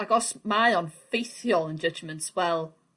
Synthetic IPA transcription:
aɡɔsmaɨɔnfejθjɔlˠənd͡ʒəd͡ʒmə̃ntwɛlˠ

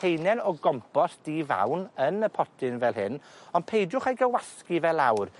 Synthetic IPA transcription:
ejnɛnɔɡɔmpʰɔsd̥iːva̰wnənəpʰɔtʰɪnvɛlˠɦɪnɔnpʰejdʊχejɡəwaskivɛlˠawr

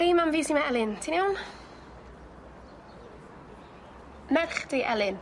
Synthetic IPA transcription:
ijmanviːsimaɛlˠɪntʰiniown | mɛðχdiʔɛlˠɪn

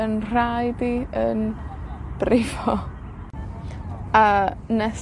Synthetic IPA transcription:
ənr̥ajdiən | b̥rɪvɔ | anɛ

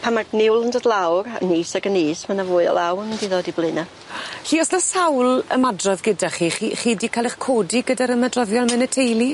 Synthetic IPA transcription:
pʰanmaɡnɪwlˠəndɔdlˠawrniːsaɡəniːsmanavʊːɨɔ̰lˠawənəndiðoːdiblˠɨna | ɬiːɔsnasawlˠəmadrɔðɡədaχiχiχiːdikʰalˠɛχkʰoːdiɡədaɾəmadrɔðjɔlˠmɛnɛtʰejlˠi

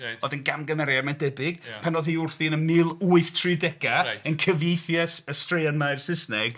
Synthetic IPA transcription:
ɔðənɡamɡəmɛɾjamandɛbɪɡ̥pʰanɔðhiːʊrθinəmɨlˠuɨθtʰrɨdɛɡ̥aənkʰəvjejθjɛsəstreanaɨrsɪsnɛɡ̥

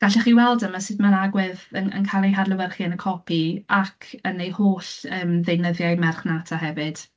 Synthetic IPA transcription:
ɡ̥aɬɛχiːwɛlˠdəmasɨdmanaɡwɪðənə̰nkʰaːlˠejɦadlˠəwərχiənəkʰɔpʰiakʰənejhoːɬəːmðejnəðjajmɛrχnatʰaɦɛvɨd̥

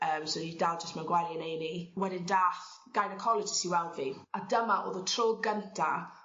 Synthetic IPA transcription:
əːmsoidalˠd͡ʒəstmanɡwalˠiənejniwɛdɪndaːθɡ̥ajnəkʰɔlˠɪd͡ʒəsiwɛwnviadəmaʔo̰ːðətʰroːɡəntʰa

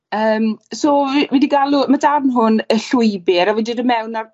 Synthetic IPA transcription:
əːmsoːwidiɡalˠumadarnɦʊnəɬʊjbɪɾavidɨdəmɛwnar

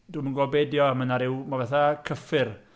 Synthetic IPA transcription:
d̥umənɡɔbɛdjɔəmənaɾɪwmavɛθakʰəfɨr

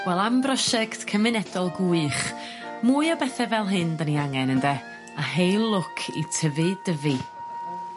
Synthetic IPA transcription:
wɛlˠambrɔʃɛktkʰəmɨnɛdɔlˠɡuɨχ | muːɨɔbɛθɛvɛlˠɦɨndəniaŋɛnəndɛ | aɦejlˠʊkʰḭtʰəvɨdəvɨ

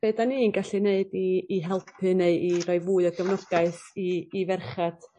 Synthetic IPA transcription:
eːdaniːnɡaɬineɨdiːɦɛlˠpʰɨneɨirɔɨvuːɨɔɡəvnɔɡ̥aɨθiːvɛrχad̥

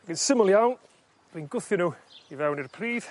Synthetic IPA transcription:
ɡɪnsɪmɔlˠjawn | riːnɡʊθjʊnuivɛwnirpʰriːð̥

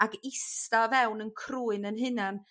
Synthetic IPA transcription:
aɡɪstavɛwnənkʰruːɨnənɦɪnan

